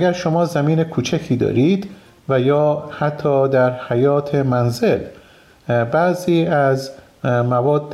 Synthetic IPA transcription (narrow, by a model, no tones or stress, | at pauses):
ɡæɾʃomɒːzæmiːne̞kʰuːt͡ʃʰækʰiːd̪ɒ̰ːɾiːd̪ | væjɒːhæt̪ʰːɒːd̪æɾhæjɒːt̪ʰemænzel | bæziːæz | mævɒːd̪ː